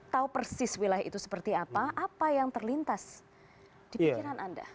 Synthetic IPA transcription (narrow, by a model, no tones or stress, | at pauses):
t̪aupərsɪswilajḭt̪usə̥pərt̪iapaʔapajaŋt̪ərlint̪as | d̥iikiɾanʔanda̰